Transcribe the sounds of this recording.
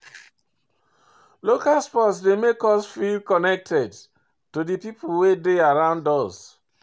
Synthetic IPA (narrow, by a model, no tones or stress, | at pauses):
lokalspɔtsdemekɔsfilkɔnɛk̚tʰɛd | tudipipʰuwedeaɹãʊ̃ndɔs